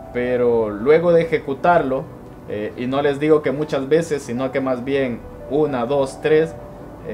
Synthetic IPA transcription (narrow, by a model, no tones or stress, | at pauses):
pe̞ɾo̞lwe̞ɣo̞ðe̞ːxe̞kut̪aɾlo̞ | eino̞le̞zd̪iɣo̞ke̞mut͡ʃazβe̞se̞sːino̞ke̞mazbje̞n | unaðo̞st̪ɾe̞s